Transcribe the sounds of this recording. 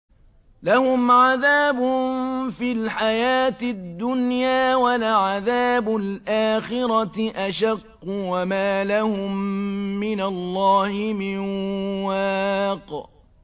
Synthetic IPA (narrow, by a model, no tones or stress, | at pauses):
lahʊmʕaðaːbʊfiːlħajaːt̪ɪd̪ːʊnjaːwalaʕaðaːbʊlʔaːxɪɾɑʔaʃaqːʊwamaːlahʊmːɪnalːɑːhɪmɪnwaːq